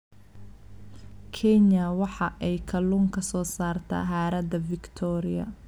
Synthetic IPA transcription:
kʰɛnɐwɑħɑʔɛjkʰɐluŋkʰɐsɔːsaːrt̪ʰɐ̰ːɦaːɾɐd̪ɐfɪkt̪ʰɔːɾɪɐ̰

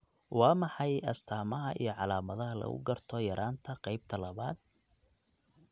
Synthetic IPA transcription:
wɑːmɑħɑjɐst̪ʰaːmɐɦɐʔijɞʕɑlaːmɐðɐɦɐlɐ̰ɣʊ̰ɡɐrt̪ʰɔjɐɾʔaːnt̪ʰɐqɑjb̚t̪ʰɐlɐβaːd̪̚

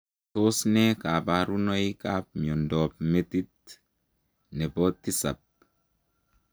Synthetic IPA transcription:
t̪osnɛkapaɾunɔjikap̚miɔndɔːp̚met̪it̪̚ | nɛbɔt̪ːisa̰p̚

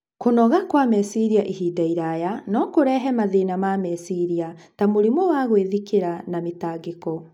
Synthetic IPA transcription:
konɔɣakwamɛsiɾiaʔihiːdaiɾajanɔkoɾɛɦɛmaðenamamɛsiɾia | tamoɾimɔwaɣweðikeɾanametaːɡekɔ

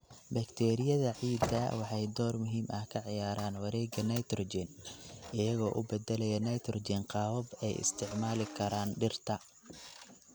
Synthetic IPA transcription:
bɐkt̪ʰɛːɾɪjɐðɐʕiːd̪ɐwɑħɑjd̪ɔːrmʊɦiːmʔɐhkʰɐʕɪjaːɾaːnwɐɾɛːɡɐnɐjt̪rɔd͡ʒɪnʔɪjɐɣɔːʔʊ̰bɛd̪ɛlɛjɐnɐjt̪ʰrɔd͡ʒɪnqɑːwɐbɛjɪ̰st̪ʰɪʕmaːlɪkʰɐɾaːnɖɪrt̪ʰɐ

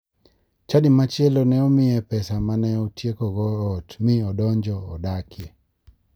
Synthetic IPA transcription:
t͡ʃadɪmat͡ʃelɔnɛɔmɪɛpɛsamanɛɔtjekɔɡɔɔtmɪɔdɔɲd͡ʒɔːdakʰje

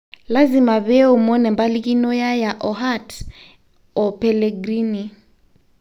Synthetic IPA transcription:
lazimaβɛumɔnɛmbalikinɔjajaʔɔɦat | ɔpɛlɛɡɾini

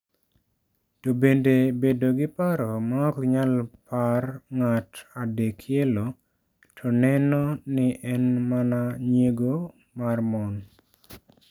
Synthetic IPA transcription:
tobendebedoɡɪpaɾɔmaɔkɲalparŋatadekʰjelo | tʰɔnɛnɔnɪʔɛnmanaɲjeɡo | marmɔn

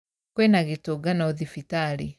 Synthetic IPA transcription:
kwɛnaɣetoɡanaoðifitali

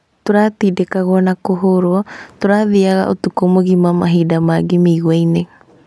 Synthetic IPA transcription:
t̪oɾat̪idekaɣoanakoɦoɾoat̪oɾaðiaɣa̰ʔot̪ukomoɡimamaɦidamaɡimiɣwajneɣa

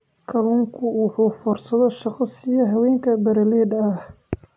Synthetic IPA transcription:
kʰɐluːŋkʰʊʊħuːfɔrsɐðɔʃɑqɑsɪjɐɦɐwɛːŋkʰɐbɐɾɐlɛːd̪ɐh

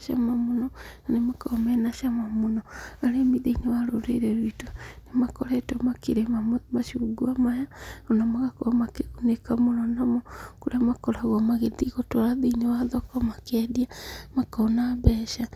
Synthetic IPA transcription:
ʃamamonɔnanemakɔmɛnaʃamamonɔaɾemiðeinewaɾoɾḛɾeɾwitonemakɔɾɛtomakeɾemamaʃiuɡuamajaonamaɣakomakeɣunekamonɔnamɔkoɾeamakɔɾaɣwɔmaɣeðiɣotwaɾaðiinewaðɔkɔmakɛdiamakɔnabɛːʃa

